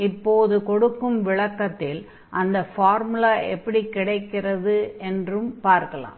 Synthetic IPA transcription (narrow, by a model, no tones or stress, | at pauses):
ɪpːoːðɯkɔɽɯkːɯmʋɪɭɐkːɐt̪ːɪl | ʔɐnd̪ɐfaːɾmɯlaːʔɛpːɐɽikːɪɽɐɪkːɪrɐðɯɛndrɯmpaːɾkɐɭa̰ːm